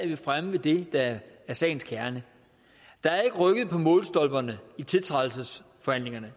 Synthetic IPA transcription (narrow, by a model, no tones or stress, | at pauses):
ʋifʁaməʋe̝d̥e̝d̥ɑ̈æɐsɛ̰ːn̩skʰæɐnə | d̥ɑ̈æɐe̝ɡ̥əʁœɡ̥ð̩ˠpʰɒ̽mɔːl̩ˠsd̥ɒ̽lb̥ɐnəit͡sʰe̝lt͡sʰʁɑ̈ðl̩səs | fɒ̽hæn̰le̝ŋɐnə